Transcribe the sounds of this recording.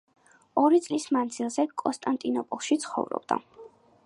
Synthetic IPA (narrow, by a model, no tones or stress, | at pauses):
ɔɾit̪sʼlismand̪zilˠzɛkʼɔnst̪ʼant̪ʼinɔpʼɔlˠʃit̪sʰχɔ̰vɾɔ̰bd̪a̰